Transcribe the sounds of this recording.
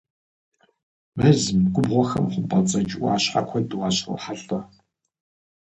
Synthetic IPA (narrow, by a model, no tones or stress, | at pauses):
mɐzɨmɡʷʊbʁʷɔxɐ̰mχʷʊpʼɐt͡sʼɐt͡ʃʼʷʊaːɕħa̰kʷʰɔdwaːɕro̰ħaɬʼɐ